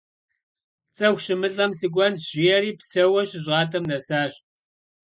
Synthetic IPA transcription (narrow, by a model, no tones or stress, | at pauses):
t͡sʼɐxʷɕɪmɨɬʼɐmsɨɡʷɐnʒ̥ɪjɛriːpsɐwɐɕɪʑʁɑːtʰɐmnɐsaːɕ